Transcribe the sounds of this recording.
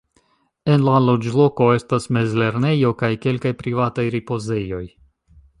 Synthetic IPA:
e̞nlalo̞d͡ʒlo̞ko̞e̞stasme̞zle̞ɾne̞jo̞kajke̞lkajpɾivatajɾipo̞ze̞jo̞j

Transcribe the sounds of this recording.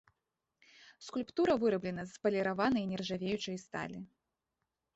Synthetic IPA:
skulʲpt̪uɾɐvɨɾɐblʲɛnɐzpɐlʲɛɾavanɐjnʲɛrʐavʲejut͡ʂɐjst̪a̰lʲi

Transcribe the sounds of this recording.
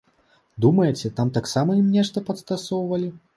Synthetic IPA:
d̪umɐjɛt͡sʲɛt̪amt̪aksamɐimnʲɛʂt̪ɐpɐt̪st̪asɔwvɐlʲi

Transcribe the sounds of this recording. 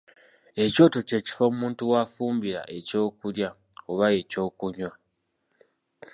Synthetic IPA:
e̞co̞ːto̞ce̞ːci̥fomuːntuwaːfuːmbiɾa̰ʔe̞co̞ːkulja | oβaje̞co̞ːkuɲwa

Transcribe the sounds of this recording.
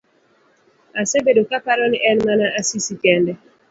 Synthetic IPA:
asebedokapaɾɔniʔɛnmanaʔasisikɛndɛ

